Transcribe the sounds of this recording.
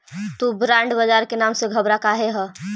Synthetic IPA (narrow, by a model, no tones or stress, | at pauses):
t̪ubɾãɳɖbəd͡ʒaɾkenamseɡʱəbɾakaɦeɦə